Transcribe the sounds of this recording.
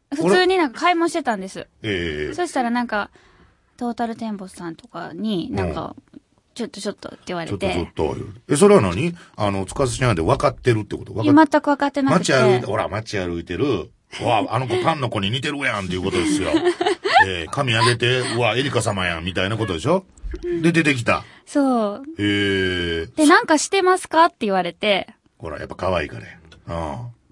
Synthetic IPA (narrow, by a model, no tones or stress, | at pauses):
ɸɯ̟oɾɨːɲ̟inãŋkḁkaimõɕi̥t̪et̪ãnd̪e̞sɨe̞eḛso̞ɕi̥t̪aɾanãŋka | t̪o̞ːt̪aɾɯ̟t̪ẽ̞mbo̞ssãnt̪o̞kaɲ̟inãka̰ | t͡ɕo̞t̪ːo̞t͡ɕo̞t̪ːo̰t̪ːeɯβaɾeot̪oeot̪ːo̰jɯ̰es̬o̞ɾe̞βanaɲ̟iano̞t͡sɨ̥kaseɕinãnd̪eβakat̪ːe̞ɾɯ̟t̪ːekot̪oβakmat̪ːakɯβakat̪ːe̞namat͡ɕiaɾɯit̪eho̞ɾa̰mat͡ɕiaɾɯ̟it̪e̞ɾɯ̟ | ɯaanoko̞t̪ãnːo̞ko̞ɲ̟iɲ̟it̪e̞ɾɯjãnt̪e̞iɯ̟ko̞t̪o̞d̪esɨjo̰ | ekamʲiaɡe̞t̪e̞ɯae̞ɾʲikasamajã̰mʲit̪ainako̞t̪o̞d̪e̞ɕo̞ | d̪e̞d̪e̞t̪e̞k̬ʲi̥t̪a̰ | soːheː | d̪enãŋkaɕi̥t̪e̞masɨ̥kat̪ːe̞iβaɾe̞t̪e̞ | ho̞̰ɾa̰ja̰pːḁkaβaḭːkaɾḛã